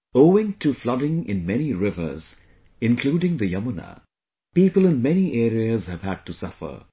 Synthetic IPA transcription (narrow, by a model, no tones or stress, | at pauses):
oʊɪ̃ŋtʰɨflʌɾɪ̃ŋɪ̰̃nmɛniɹɪvə̰˞z | ɪ̃nkʰl̥uːɾɪ̃ŋðɨjʌmənə̰ | piːpəlˠɨ̃nmɛniʔɛːɾiəz̥hɨv̥æd̚tusʌfə̰˞